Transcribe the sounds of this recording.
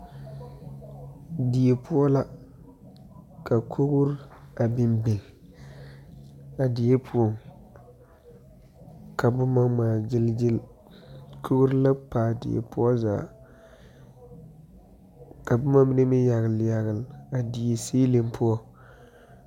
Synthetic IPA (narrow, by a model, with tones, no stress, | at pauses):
di˨je˨pʊ˦ɔ˦la˦ | ka˨kʰu˦ɡʊ˦ɾa˨bɪ˨mbɪ˨n | a˨di˨je˦pʰu˦ɔ˦˨ŋ | ka˨bʊ˦ma˦maː˨d͡ʒɪ˦ld͡ʒɪ˦l | kʰu˦ɡu˦ɾla˦paː˨dḭ˨ḛ˨pʊ˦ɔ˦za̰ː˨ | ka˨bʊ˦ma˦bi˦ne˦mɪ˦ja˨ɣɨ˨lja˨ɣɪ˨la˨di˨je˨seː˦le˦mpʰʊ˦ɔ˦